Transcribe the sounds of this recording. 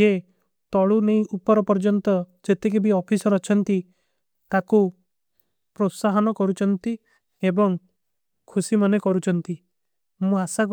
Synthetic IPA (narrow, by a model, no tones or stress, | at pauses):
e | t̪ɔɭuneĩupɔɾɔpɔɾd͡ʒɔnt̪ɔd͡ʒet̪ek̬ebiɔpʰisɔɾɔt͡ʃʰɔnt̪i | k̪aku | pɾosaɦɔnɔkɔɾut͡ʃʰɔnt̪i | ebɔŋ | kʰusimɔnekɔɾut͡ʃʰɔnt̪i | mũasak